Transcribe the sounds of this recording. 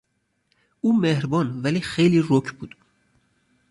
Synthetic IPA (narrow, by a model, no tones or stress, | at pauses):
uːmehɾbɔːnvælixejliːɾokʰbṵːd̪̥